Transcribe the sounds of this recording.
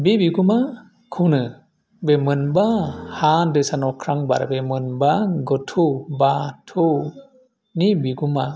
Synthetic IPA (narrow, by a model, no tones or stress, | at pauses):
bibiɡuma | kʰɯwnɯ | bemɯnbahadɯsanɔkʰɾaŋba̰ɾa̰bemɯnbaɡɔtʰubatʰu | nibiɡuma